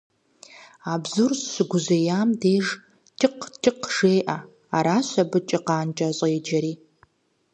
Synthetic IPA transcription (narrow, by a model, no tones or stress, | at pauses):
abzursɕʷɨɡʷʊzejaːmdeːʐ | tʰʼɨqʰtʰʼɪqʰʒ̥eːjʔa | aɾaːɕʷɐbɨt͡ʃʼɪqɑːnt͡ʃʼɐɕʼɐjd͡ʒɐɾiː